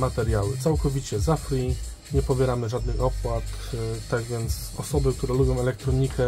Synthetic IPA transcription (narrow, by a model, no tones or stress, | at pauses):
mat̪ɛɾjawɘt̪sawkɔvʲit͡ɕɛzafɾʲi | ɲɛpɔbʲjɛɾamɘʐad̪nɘxɔpwat̪t̪ːaɡvʲjɛnt̪s | ɔsɔbɘk̚t̪uɾɛlubʲjɔ̃w̃ɛlɛk̚t̪ɾɔɲikɛ